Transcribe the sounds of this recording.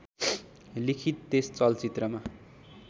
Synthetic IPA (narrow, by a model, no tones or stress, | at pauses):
likʰit̪ːest͡sʌlt͡sit̪rʌma